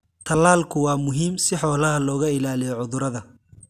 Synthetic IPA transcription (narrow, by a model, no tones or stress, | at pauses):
t̪ʰɐlaːlkʰʊwɑːmʊɦiːmsɪħɔːlɐɦɐlɔːɣɐɪlaːlijɔʕʊðʊɾɐðɐ